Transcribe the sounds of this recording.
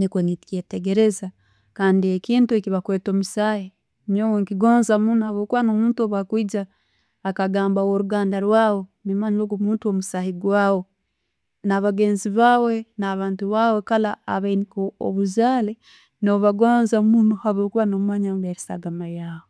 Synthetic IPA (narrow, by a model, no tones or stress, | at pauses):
nikwonitketeɡe̞ɾe̞za | kaːndiekiːntuekiβakweːto̞musaːhi | mowoŋkiɡoːnzamunhaβoːkuβanomuːntuoβakwiːd͡ʒaː | kaɡaːmbawoɾuɡaːndaɾwaːwo̞nimaɲiloɡomuːntuomusaːhiɡwaːwo̞ | naβaɡe̞ːnziβaːwe̞naːβaːntuβaːwe̞kalaːβainikoo̰βuzaːle | no̞βaɡwaːnzamunuhaβoːkuβanommaɲamβeɾesa̰ɡamajaːβo